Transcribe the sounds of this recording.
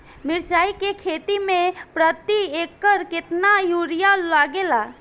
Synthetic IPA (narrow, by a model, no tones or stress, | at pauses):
miɾt͡ʃaikekʰet̪imẽpɾət̪iekːəɾket̪najuɾijalaɡela